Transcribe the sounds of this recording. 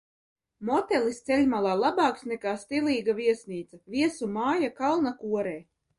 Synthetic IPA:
mɔt̪ɛlˠist̪sɛlʲmalˠaːlˠabaːksnɛkaːst̪iliːɡaviɛsniːt̪savʲiɛsumaːjakalˠnakuɔɾɛː

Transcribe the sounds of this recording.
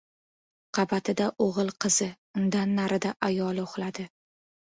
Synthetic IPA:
qʰɑbat̪ʰɪd̪aʔoʁɨlˠqʰɨz̥ɪ | ʊnd̪anːaɾʔɪd̪aʔajɒlˠoχlad̪ɪ

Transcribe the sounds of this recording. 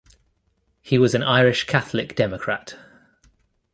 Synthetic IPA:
hiwɒzə̃naɪɹɪʃkʰaθəlɪkd̥ɛməkʰɹ̥at

